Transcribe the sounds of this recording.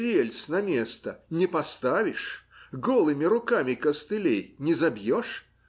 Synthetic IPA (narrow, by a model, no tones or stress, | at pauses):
ɾʲelʲsnɐmʲe̞st̪ənʲɪpɐst̪avʲɪʂɡolˠɨmʲɪɾʊkamʲɪkəst̪ɨlʲejnʲɪzɐbjoʂ